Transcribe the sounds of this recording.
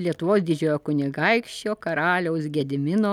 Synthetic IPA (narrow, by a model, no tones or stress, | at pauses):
lʲiɛt̪ʊʋoːsd̪ʲɪd͡ʒʲoːjoːkʊnʲɪɡɐɪkʃʲt͡ʃʲoːkɐɾɑːlʲɛʊsɡʲɛd̪ʲɪmʲɪnoː